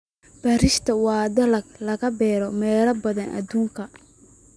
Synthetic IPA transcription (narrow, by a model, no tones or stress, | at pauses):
b̥ɐɾɪʃt̪ʰɐwɑːd̪ɐlɐɡlɐɣɐbɛːɾɔmɛːlɐbɐðɐnʔɐ̰d̪uːŋkʰɐ